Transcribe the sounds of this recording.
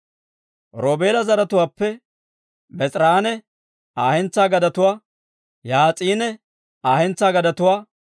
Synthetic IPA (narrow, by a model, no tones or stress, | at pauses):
ɾoːbe̞ːlɐzɐɾɐt̪ʊwaːpːɛ | bɛt͡sʼɾaːnɛ | aːhɛnt͡sːaːɡɐd̪ɐt̪ʊwaː | jaːt͡sʼiːnɛ | aːhɛnt͡sːaːɡɐd̪ɐt̪ʊwaː